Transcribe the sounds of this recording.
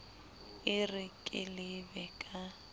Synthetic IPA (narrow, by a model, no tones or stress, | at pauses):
ɪrɪkʼɪlɪbɛkʼa